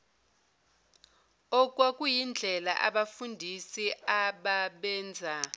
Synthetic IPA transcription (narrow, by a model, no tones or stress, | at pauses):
ɔkʼwakʼujind͡ɮʱɛla̰ʔaɓafundʱisiaɓaɓɛːnd͡zʱa